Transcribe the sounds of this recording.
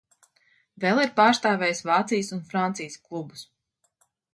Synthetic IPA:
vɛlˠiɾpaːɾst̪aːvʲɛːjsvaːt̪sijsunfɾant̪sijəsklˠubus

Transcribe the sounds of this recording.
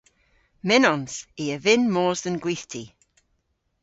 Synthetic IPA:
mɪnɔnsiəvɪnmoːzðənɡwiːθtʰi

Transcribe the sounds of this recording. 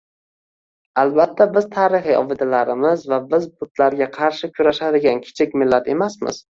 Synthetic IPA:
albat̪ʰːabɪz̥t̪ʰaːɾɪχɨɒ̰vɪd̪alaɾɪmɪzvabɪzbʊt̪laɾɡʲaqʰɑɾʃɪkʲʰʊɾaʃad̪ɪɡʲankʲʰɪ̥t͡ʃʰɪkʲmɪlːat̪ʰe̞masmɪ̰z̥

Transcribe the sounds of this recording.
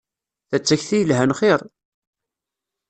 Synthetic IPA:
θæt͡sːæçθijəlɦænχeɾˤ

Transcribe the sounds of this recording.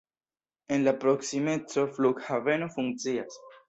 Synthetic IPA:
e̞nlapɾo̞ksime̞t͡so̞fluɡhave̞nofuŋkt͡sias

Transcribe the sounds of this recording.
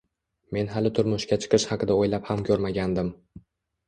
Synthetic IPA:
me̞nɦalɪt̪ʰʊɾmʊʃkʲat͡ʃʰɨ̥qʰɨʃhɑqʰɨd̪aojlaphamkʲʰɵɾmaɡʲand̪ɪm

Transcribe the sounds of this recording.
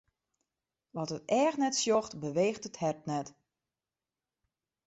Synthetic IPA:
ʋɔtətɛːxnɛtsjɔxtbəʋeːxtəthɛrtnɛt

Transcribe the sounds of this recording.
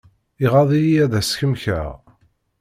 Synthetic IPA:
iʁɑðˤijijæðæsçəmçæ̰ʁ

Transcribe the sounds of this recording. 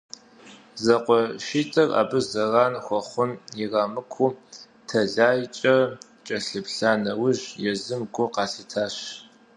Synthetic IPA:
zɐqʷɔʃiːtʼʰɐra̰ːbɨzɐrɑːnxʷɔχʷʊnɪrɑːmɨkʷʰuː | tʰɐɮaːjt͡ʃʼɐ | t͡ʃʼɐɬɨpɬaːnɐwʊʑjɛzɨmɡʷʊqɑːsitʰaːɕ

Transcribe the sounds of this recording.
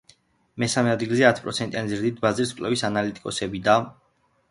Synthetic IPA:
mɛsamɛad̪ɡilzɛat̪ʰpʼɾɔt̪sʰɛnt̪ʼjanizɾd̪it̪ʰbazɾiskʼlɛwisanalit̪ʼi̥kʼɔsɛbid̪a

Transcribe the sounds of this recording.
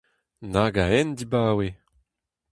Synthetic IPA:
naɡaɛnd̪ibaːwe

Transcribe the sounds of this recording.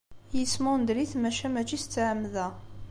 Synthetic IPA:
jəsmænd̪liθmæʃæmæt͡ʃist͡sːʕəmːðæ

